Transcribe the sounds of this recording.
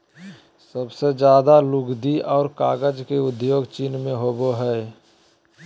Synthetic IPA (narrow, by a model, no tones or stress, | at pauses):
səbsed͡ʒjaːd̪alʊɡd̪iɔːɾkaːɡəd͡ʒkeʊd̪joːɡt͡ʃiːnmẽɦoboɦɛ